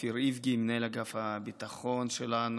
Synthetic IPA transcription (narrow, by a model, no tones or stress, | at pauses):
fiɾivɡimnelaɡafhabit̪aχonʃelan